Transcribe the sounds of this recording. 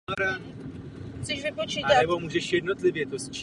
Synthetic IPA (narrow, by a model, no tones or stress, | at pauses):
ɾa | t͡sɛʃvɪpot͡ʃiːat̪anɛbo̞muːʒɛʃjɛdnot̪lɪvjɛt̪ost͡ʃ